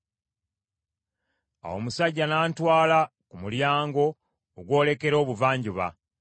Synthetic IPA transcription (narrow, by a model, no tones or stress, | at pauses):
a̰wo̞̰musaɟːanaːntwaːlakumuljaːŋɡo̞ː | ɡwo̞ːle̞ke̞ɾo̞ːβuvaːɲɟuβa̰